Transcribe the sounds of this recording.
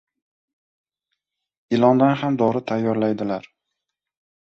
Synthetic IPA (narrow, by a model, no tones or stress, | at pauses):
ɪlˠɒnd̪anɦamd̪ɒɾɪt̪ʰajːɒɾlajd̪ɪlaɾ